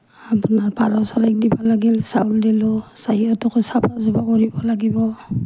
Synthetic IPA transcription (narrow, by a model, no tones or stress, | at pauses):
apunaɹpaɾɔsɔɹajk̚dibalaɡilsauldilɔsahiɔtɔkɔjsapazubakɔɹibɔlaɡibɔ